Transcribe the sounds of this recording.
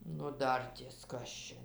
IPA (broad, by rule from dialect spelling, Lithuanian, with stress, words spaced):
nʊ ˈdɐrʲtʲiɛs ˈkɐs t͡ʃʲɛ